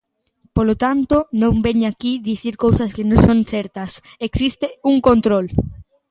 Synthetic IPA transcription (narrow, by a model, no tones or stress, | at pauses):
polot̪ant̪onõmbeɲakiðiθiɾkowsɐskɪnõsõnθɛɾt̪ɐs | eksist̪euŋkõnt̪ɾol